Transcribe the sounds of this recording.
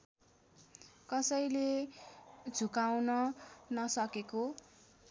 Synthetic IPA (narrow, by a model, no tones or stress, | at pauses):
kʌsʌjle | d͡zʱukawnʌnʌsʌkeko